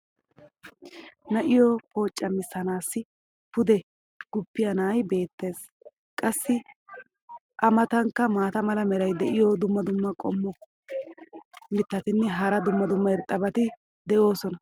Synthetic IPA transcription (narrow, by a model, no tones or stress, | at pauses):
nɐʔɪjɔpo̞ːt͡ʃʼːɐmɪsːɐnaːsːɪ | pʊd̪ɛ | ɡ̥ʊpːɪjɐnaːjbe̞ːt̪ːe̞ːs | kʼɐsːɪ | ʔɐmɐt̪ɐŋkːɐmaːt̪ɐmɐlɐmɛɾɐjd̪ɛʔɪjɔd̪ʊmːɐd̪ʊmːɐkʼɔ̰mːɔ | mɪt̪ːɐt̪ɪnːɛɦɐɾɐd̪ʊmːɐd̪ʊmːɐɛɾt̪ʼːɐbɐt̪ɪ | d̪ɛʔo̞ːsɔnɐ